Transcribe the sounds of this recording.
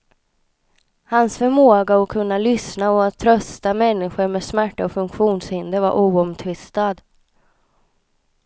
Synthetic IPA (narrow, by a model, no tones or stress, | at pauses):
hansfœɾmoːɡaɔkʰɵnːalʏsnaɔat̪ʰːɾœst̪amɛnːɪɧəɾmeːsmæʈːaɔfɵŋkɧuːnshɪnd̪əvaɾʔuːɔmt̪ʰvɪst̪ad̪